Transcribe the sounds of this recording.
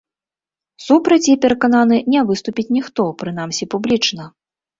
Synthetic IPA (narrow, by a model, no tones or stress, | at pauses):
supɾɐt͡sʲipʲɛɾɐkananɨnʲɛvɨst̪upʲit͡sʲnʲixt̪ɔpɾɨnamsʲipublʲit͡ʂnɐ